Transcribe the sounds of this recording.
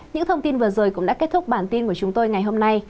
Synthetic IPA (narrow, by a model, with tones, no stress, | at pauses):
ɲɨ̰˧˥ŋt̪ʰə˧wŋ͡mt̪i˧nvɨ˨˩əzo˨˩jkʊ̰˧˥ŋ͡mɗa̰ː˧˥ke˦˥t̚t̪ʰʊ˦˥k͡p̚ɓaː˧˩nt̪i˧nku˧˩ət͡ɕʊ˨˦ŋ͡mt̪o˧jŋa˨˩jɦo˧mna˧j